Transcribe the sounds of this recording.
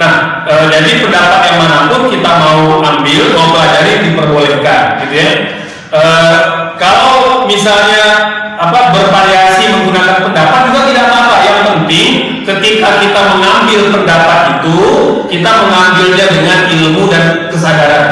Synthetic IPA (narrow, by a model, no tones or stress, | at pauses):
nah | ʔəːd͡ʒadipəndapat̪̚jaŋmənapʊnkit̪amauʔambɪlwawt̪uɦad͡ʒaɾɪdipərbolɛhkanɡit̪uja | ʔəːkalawmisalɲa | apabərfaɾiasiməŋɡunakanpəndapat̪̚misalt̪idaʔ̚mapajaŋpənt̪ɪŋ | kət̪ikakit̪aməŋambɪlpəndapat̪it̪ukit̪aməŋambɪlɲadəŋanilmudankəsadaɾan